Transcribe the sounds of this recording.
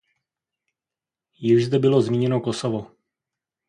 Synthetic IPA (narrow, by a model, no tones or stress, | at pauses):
jɪʒzd̪ɛbɪlo̞zmiːɲɛnokosovo